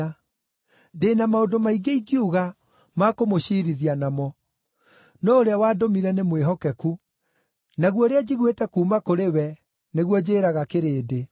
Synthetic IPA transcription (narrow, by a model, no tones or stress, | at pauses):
deːnamaodomaiɡeiɡjuɣa | makomoɕiɾiðianamɔ | nɔoɾeawaːdomiɾɛnemweɦɔkɛku | naɣwɔɾead͡ʑiɣwetɛkuːmakoɾewɛ | neɣwɔd͡ʑeːɾaɣakeɾeːde